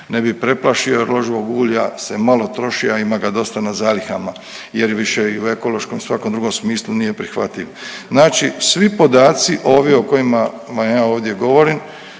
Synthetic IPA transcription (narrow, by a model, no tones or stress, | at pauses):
nebipɾe̞plaʃio̞ɾloʒiʋoɡuːʎase̞malo̞t̪ɾo̞ʃiaimaɡad̪o̞st̪anazaːlixama | jeɾjʋiʃeiue̞ko̞lo̞ʃko̞msʋakomd̪ɾuɡo̞msmiːslunije̞pɾixʋa̰t̪iʋznaːt͡ʃisʋipo̞d̪aːt̪siʔo̞ːʋjeoko̞jima | ʋamjaːoːʋd̪je̞ɡo̞ʋo̞ɾim